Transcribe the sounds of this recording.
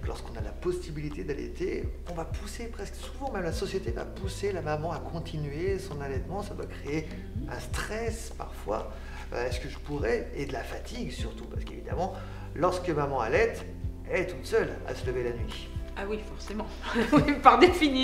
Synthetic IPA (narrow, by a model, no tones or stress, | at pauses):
klɔ̰ʁskɔ̃nad̪lapɔsibilit̪ed̪alɛ̰t̪eɔ̃vapʰusepχɛskə̥suvɑ̃mɛmlasɔsjet̪eva̰puselamamɑ̃akʰɔ̃t̪ʰinɥesɔ̃nalɛt̪mɑ̃sad̪wakχeː | ɛ̃st̪χɛs | pa̰ʁfwa̰ | asə̥kəʒəpuʁɛed̪əlafat̪ʰiɡsyʁt̪upaʁsə̥kḛvid̪a̰mɑ̃ | lɔʁsə̥kəmamɑ̃alɛt̪ | ɛt̪ut̪sœla̰sələvelanɥi | awifɔʁsemɑ̃ | wipaʁd̪efini